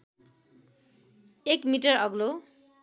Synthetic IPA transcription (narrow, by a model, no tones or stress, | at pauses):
ekmiʈʌrʌɡlo